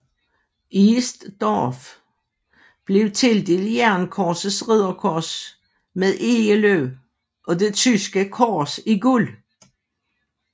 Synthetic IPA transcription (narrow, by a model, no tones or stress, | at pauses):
isd̥d̥ɒf | b̥le̝ʊt͡sʰe̝ld̥eljæɐnkʰɒːsəsʁiðˠɐkʰɒs | meðˠe̝əløʊ | ʔɒ̽de̝t͡sʰysɡ̥əkʰɒːsiɡul